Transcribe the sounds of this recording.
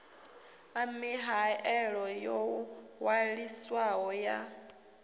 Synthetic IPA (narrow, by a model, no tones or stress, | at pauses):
amiɦaɛɺɔjɔwaɺiswaɦɔja